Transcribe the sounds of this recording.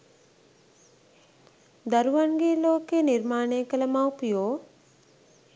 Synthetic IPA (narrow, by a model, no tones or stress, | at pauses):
d̪ɐɾuʋanɡeːloːkeːniɾmaːneːkələmawpijoː